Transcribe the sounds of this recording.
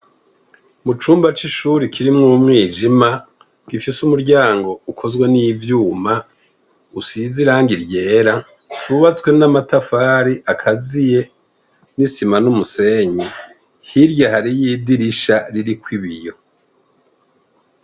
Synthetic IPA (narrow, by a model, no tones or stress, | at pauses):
mut͡ʃuːmbat͡ʃiʃuɾikʰiɾimŋumŋiːd͡ʒima | ɡ̥ifisumuɾɟaːŋɡo̞ukʰo̞zɡwenivjuːma | usiziɾaːŋɡiɾje̞ːɾa | t͡ʃuβat͡swe̞namatafaːɾiʔakʰazije̞ | nisimanumuse̞ɲi | hiɾjaɦaɾijiːdiɾiʃaɾiɾikwiβijo̞